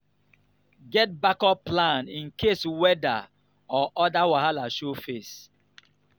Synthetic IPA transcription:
ɡɛt̚bakɔplãnĩnkʰeswɛda | ɔʔɔdawaɦalaʃofes

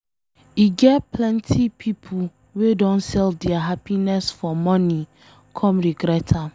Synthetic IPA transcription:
iɡɛtpʰlɛ̃ntʰipʰipʰu | wedɔ̃nsɛldɛaɦapinɛsfɔmɔni | kʰɔ̃mɹiɡɾɛtʰa

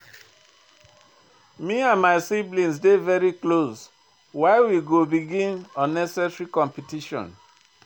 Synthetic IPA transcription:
miãnmaɪsiblĩnsdevɛɹiklos | waɪwiɡobiɡĩnɔ̃nɛsɛsɹikɔ̃mpitiʃɔ̰̃n

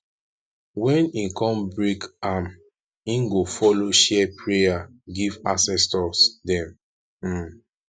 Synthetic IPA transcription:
wɛ̃nĩkɔ̃mbɹikam | ĩnɡofɔloʃɛpʰɹeja | ɡivasɛstɔsdɛ̃m̩

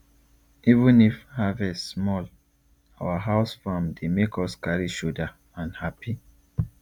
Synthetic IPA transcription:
ivũnifhavɛsmɔl | awaɦaʊsfãmdemekʰɔskaɹiʃoda | ãnhapi

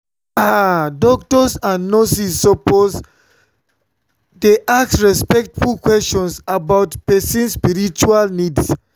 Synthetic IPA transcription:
adɔk̚tɔsãnːɔsisːɔpoz | deʔassɹɛspɛk̚tfulkwɛst͡ʃɔ̃nsabaʊtpɛsĩnspiɹit͡ʃualnids

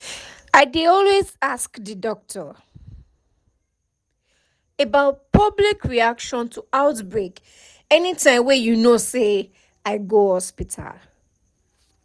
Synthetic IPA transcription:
aɪdɪɔlwezaskdɨdɔk̚tʰə | ebaʊt̚pʰʌblikʰɹiakʃɔ̃ntʰuaʊtbɹek | ɛnitʰãɪ̃mwɛjunose | aɪɡohɔspitʰa̰l

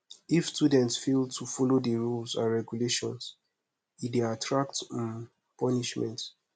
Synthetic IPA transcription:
ifstudɛ̃ntsfeltʰufɔlodəɹulsãnɹɛɡjuleʃɔ̰̃ns | ideatʰɹakt | pɔniʃmɛ̰̃nt

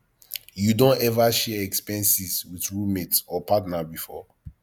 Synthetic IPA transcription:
judõnɛvaʃɛɛkspɛ̃nsiswiθɹumetɔpatnabifɔ

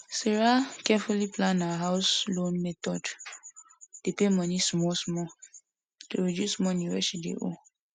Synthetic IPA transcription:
seɹakɛfuliplãnawaɦaʊslõnmɛtɔd | d̥epemɔnismɔsmɔ | toɹedjusmɔnĩɹɛʃidḛʔo̰

